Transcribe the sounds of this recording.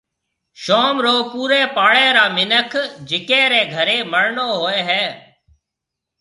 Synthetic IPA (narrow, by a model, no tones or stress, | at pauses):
ʃoːmɾoːpuːɾeːpaːɭeːɾaːmɪnəkʰd͡ʒɪkẽːɾeːɡʱəɾeːməɽɳoːɦoːeːɦɛː